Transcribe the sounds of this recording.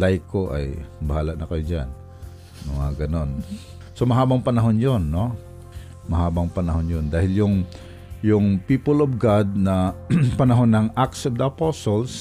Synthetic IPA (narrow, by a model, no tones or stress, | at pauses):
lajkoʔɐ̰jbɐhaːlaʔnɐkɐjod͡ʒa̰n | mʊŋaɡɐno̞n | somɐɦaːbɐŋpɐnɐɦonjonːo | mɐɦaːbɐŋpɐnɐɦonjond̪aːhɪljʊŋ | jʊŋpiːpolovɡad̪̚nɐpɐnɐɦonːɐŋʔaksɐvd̪ɐɐposols